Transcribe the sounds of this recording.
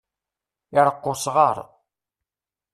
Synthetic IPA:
ɪɾˤəqːʊsʁəɾˤ

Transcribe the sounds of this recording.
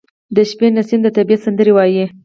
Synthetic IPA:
d̪əʃpenasind̪ət̪abiat̪sand̪əɾewɑji

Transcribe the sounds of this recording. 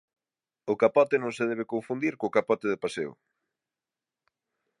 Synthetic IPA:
ʊkapɔt̪enõŋseðɛβ̞ekõɱfund̪iɾkoːkapɔt̪eðɪpasḛʊ̰

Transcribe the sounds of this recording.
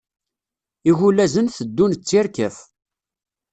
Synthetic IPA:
iʝulæzənθəd̪ːunt͡sːɪɾkəf

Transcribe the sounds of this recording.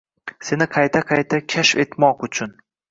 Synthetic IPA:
se̞nɪqʰɑjt̪ʰaqʰɑjt̪ʰakʲʰaʃfe̞t̪mɒqʊt͡ʃʰʊn

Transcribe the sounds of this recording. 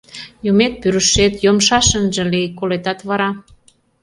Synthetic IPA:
jumet̪̚pyɾəʃet̪jomʃɑʃənʒə̆lekolet̪ɑt̪βɑɾɑ

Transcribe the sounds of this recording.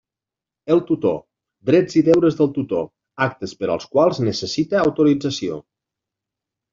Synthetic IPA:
əlˠt̪ut̪o̰ | d̪ɾɛd͡ziðɛwɾəzðəlˠt̪ut̪o | ak̚t̪əspəɾə̰lˠskwalˠznəsəsit̪əːwt̪uɾid͡zəsio̰

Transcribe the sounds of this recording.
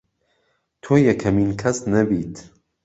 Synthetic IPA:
t̪ʰoːjɐkʰɐmiːnkʰɐsnɐbiːt̪ʰ

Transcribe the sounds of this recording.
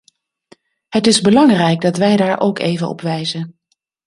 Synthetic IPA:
ɦətɪzbəlɑŋrɛjɡ̚dɑtʋɛjdaːɹʔowkḛjvənɔ̰pʋɛjzən

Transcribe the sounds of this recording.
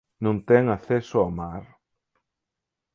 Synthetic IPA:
nõnt̪ɛŋaθɛsoamaɾ

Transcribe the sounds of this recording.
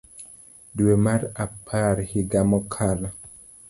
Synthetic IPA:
dwemaɾapʰaɾhiɡamɔkʰala

